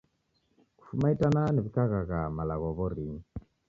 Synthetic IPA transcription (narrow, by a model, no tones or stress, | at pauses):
ku̥fumaitananɛβikaɣaɣamalaɣɔβɔɾiŋ